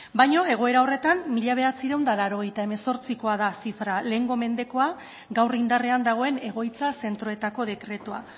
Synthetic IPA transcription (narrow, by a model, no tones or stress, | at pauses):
bajɲo̞e̞ɣ̞o̞e̞ɾao̞re̞t̪amːiʎaβ̞e̞at͡siɾe̞wnd̪alaɾo̞ɣ̞ejt̪ae̞me̞so̞ɾt͡siko̞aðasifɾale̞ŋɡo̞me̞nd̪e̞ko̞a | ɡawrind̪are̞and̪aɣ̞o̞e̞ne̞ɣ̞o̞jt͡sase̞nt̪ɾo̞e̞t̪ako̞ð̞e̞kɾe̞t̪ua̰